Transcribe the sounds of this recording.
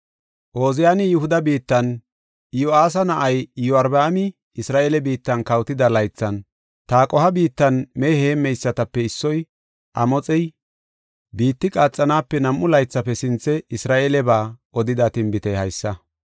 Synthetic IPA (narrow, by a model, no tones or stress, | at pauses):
ʔo̞ːzɪjaːnɪjʊhʊd̪ɐbiːt̪ːɐn | joaːs̬ɐnɐʔɐjjɔɐɾbaːmɪ | ɪsɾaːʔeːlɛbiːt̪ːɐnkɐwt̪ɪd̪ɐlɐjt͡sːɐn | t̪aːkʼɔhɐbiːt̪ːɐnmɛheːmːɛjsːɐt̪ɐpːɛɪsːɔj | ʔɐ̰mɔt͡sʼɛj | biːt̪ːɪkʼaːt͡sʼːɐnaːpːɛnɐmʔʊlɐjt͡sːɐpːɛsɪnt͡sːɛɪsɾaːʔelɛbaːʔɔd̪ɪd̪ɐt̪ɪmbɪt̪ɛhɐjsːɐ